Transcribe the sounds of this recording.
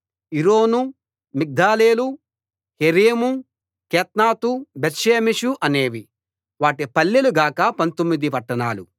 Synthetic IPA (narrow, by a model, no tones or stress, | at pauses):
iɾoːnu | mik̚d̪aːleːlu | heɾeːmu | keːt̪̚naːt̪ubet̪ʃeːmiʂuʔɐne̞ːʋi | ʋaːʈipɐlːiluɡaːkɐpɐnt̪omːid̪ipɐʈːɐnaːlu